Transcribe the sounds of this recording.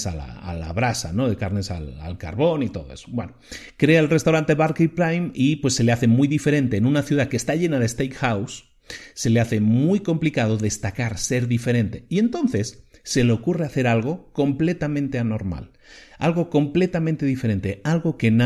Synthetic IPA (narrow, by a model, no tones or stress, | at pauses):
sa̰la̰a̰la̰βɾasa̰no̞ðe̞kaɾne̞sa̰la̰lka̰ɾβo̞nit̪o̞ðoesobwe̞no | kɾeaelrest̪awɾant̪e̞βaɾkipɾajmipwe̞sːe̞le̞aθe̞mujðife̞ɾe̞nt̪e̞ːnũnaθjuðakeːst̪aʎe̞nað̞est̪ejkxawsː | e̞leaθe̞mmujko̞mplikað̞o̞ðe̞st̪akaɾse̞ɾðife̞ɾe̞nt̪e̞ie̞nt̪õ̞nθe̞sːe̞leokure̞aθe̞ɾalɣ̞o̞ko̞mple̞t̪amẽnt̪e̞ano̞ɾma̰l | a̰lɣo̞ko̞mple̞t̪amẽnt̪e̞ðifeɾe̞nt̪e̞alɣo̞ke̞na